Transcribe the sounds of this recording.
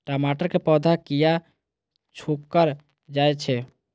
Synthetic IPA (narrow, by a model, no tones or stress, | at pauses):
ʈɔmaʈəɾkepɔd̪ʱakija | t͡ʃʰukːəɾ | d͡ʒajt͡ʃʰɛ